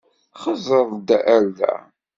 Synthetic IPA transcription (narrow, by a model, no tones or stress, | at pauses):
χəzˤəðˤd̪æʔæɾðæ̰